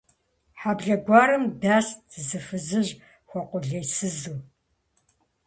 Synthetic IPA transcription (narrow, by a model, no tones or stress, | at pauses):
ħabɮɐɡʷɑːɾɨmdaːsdʰzɨfɨzɨʑ | xʷɔqʷʼʊɮejsɨzuː